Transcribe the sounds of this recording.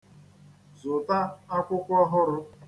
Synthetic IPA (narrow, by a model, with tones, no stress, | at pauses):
zʊ˨ta˦a˦kʷʊ˦kʷʊ˦ɔ˦ɦʊ˦ɾʊ˦